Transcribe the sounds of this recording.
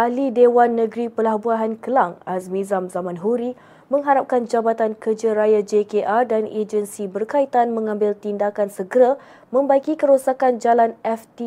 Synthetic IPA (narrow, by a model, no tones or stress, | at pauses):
ʔalidewanːə̃ɡɾipəlahbuaɦankəlaŋasmĩzamzamãnɦuɾi | mə̃ŋɦaɾap̚kand͡ʒabat̪ankərd͡ʒaɾajad͡ʒekeʔardaned͡ʒənsibərkait̪anmə̃ŋãmbɪlt̪indakansəɡəɾa | mə̃mbaikikəɾosakand͡ʒalanɛft̪i